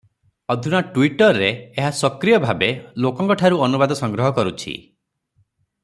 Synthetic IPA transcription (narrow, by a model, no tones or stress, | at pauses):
ɔd̪ʱunaʈuwiʈɔɾːeːɦasɔkɾijɔbʱabelokɔŋkɔʈʰaɾuɔnubad̪ɔsɔŋɡɾɔɦɔkɔɾut͡ʃʰḭ